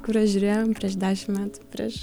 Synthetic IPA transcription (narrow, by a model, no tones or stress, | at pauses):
kuɾɐʒʲuɾʲeːjompʲɾʲɛːʃd̪ʲæːʃʲɪmmʲæːt̪ʊ̥pʲɾʲḭʃ